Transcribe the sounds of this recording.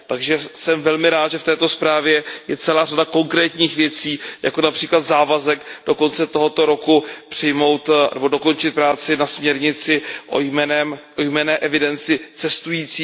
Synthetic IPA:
t̪aɡʒɛsɛmvɛlmɪɾaːt̪ʒɛft̪ɛːt̪o̞spɾaːvjɛjɛt͡sɛlaːradako̞ŋkɾɛːt̪ɲiːxvjɛt͡siːja̰ko̞napr̥iːklat̪zaːvazɛkd̥o̞ko̞nt͡sɛt̪o̞ɦo̞t̪o̞ɾo̞kupr̥ɪjmo̞wt̪nɛ̰bo̞do̞ko̞nt͡ʃɪt̪̚pɾaːt͡sɪnasmɲɛɾɲɪt͡sɪʔo̰jmɛnɛmʔojmɛnɛːʔɛvɪdɛnt͡sɪt͡sɛst̪ujiːt͡siː

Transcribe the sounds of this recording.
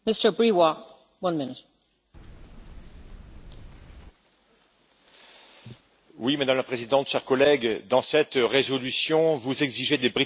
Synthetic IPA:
mɪstə˞bɹiwa | wʌ̃nmɪnɪt | wimad̪amlapχezid̪ɑ̃t̪ʃɛʁkɔlɛɡd̪ɑ̃sɛt̪ʁezɔlysjɔ̃vuzɛɡziʒed̪ebʁi

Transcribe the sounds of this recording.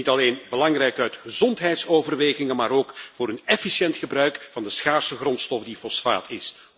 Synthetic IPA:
itɑleːnbəlɑŋrɛjkœɥtχəzɔntɦɛjtsoːvərʋeːɣɪŋənmaːɾoːkvʊːɾənɛfisjɛntxəbrœɥkvɑndəsxaːrsəɣrɔntstɔfdifɔsfa̰ːtʰɪs

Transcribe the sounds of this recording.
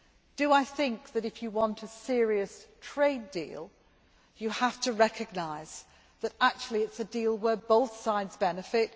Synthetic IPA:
d̥əaɪθɪ̃ŋk̚ðɨɾɨfjəwɒ̃ntʰəsɪəɹiɨstʰɹ̥eɪdḭːlˠ | jəhaftəɹɛkʰɨɡ̚naɪz̥ | ðəɾak̚t͡ʃul̩ˠiɨtsɨdilˠwə˞boʊθsaɪdzbɛnɨfɪt̚

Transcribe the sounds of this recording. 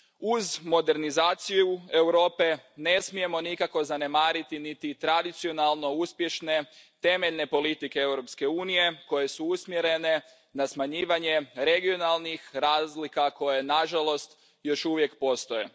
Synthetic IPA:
uzmo̞d̪e̞ɾnizaːt̪sijue̞wɾo̞ːpe̞ne̞smije̞mo̞nikako̞zane̞maːɾit̪init̪it̪ɾad̪it̪sio̞nalˠno̞uspje̞ʃne̞t̪e̞me̞ʎne̞po̞lit̪ikeewɾo̞pske̞uːnije̞ko̞je̞suusmje̞ɾe̞ne̞ | nasmaɲiːʋaɲe̞ɾe̞ɡio̞nalˠnixɾaːzlikako̞jenaʒalo̞st̪ | jo̞ʃuʋje̞kpo̞st̪o̞je

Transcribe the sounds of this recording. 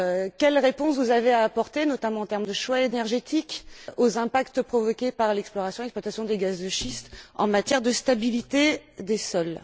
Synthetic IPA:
kʲɛlʁepɔ̃svuzaveaːpɔʁt̪enɔt̪amɑ̃ɑ̃t̪ɛʁmd̪əʃwaenɛʁʒet̪ʰikozɛ̃pakt̪pχɔvɔkʲepaʁlɛksplɔʁasjɔ̃ɛksplwat̪asjɔ̃d̪eɡazd̪əʃist̪ɑ̰̃mat̪jɛʁd̪əst̪abilit̪ed̪esɔl

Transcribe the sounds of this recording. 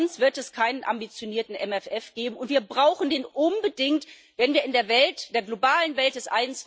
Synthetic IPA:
nsv̥ɪɐtɛskʰaɪnənʔa̰mbit͡sjoniːɐtn̩ʔɛmɛfʔɛfɡ̥eːbm̩ʊntv̥iːɐbʁaʊxn̩deːnʔʊnbədɪŋt | vɛnviːɐɪndeːɐvɛltd̥eːɐɡlobaːlənvɛlt̚d̥ɛsʔaɪənt͡sv̥

